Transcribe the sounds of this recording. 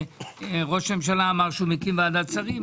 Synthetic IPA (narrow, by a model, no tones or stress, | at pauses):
ʁo̞ʃmemʃ̬alaːmaʁʃumikimvead̪at͡saʁim